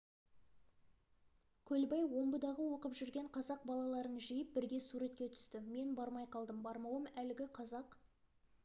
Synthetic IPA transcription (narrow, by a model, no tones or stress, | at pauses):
kʲʰɵlbɑjwo̞mbəd̪ɑʁəwo̞qəpʒʏɾɡʲe̞ɴqʰɑzɑq̚bɑlˠɑlˠɑɾənʒijəp̚bɪɾɡʲe̞suɾet̪̚kʲe̞t̪ʰʏ̥st̪ɪme̞nbɑɾmɑjqʰɑlˠd̪əmbɑɾmɑwəmælɪɡʲɪqʰɑzɑq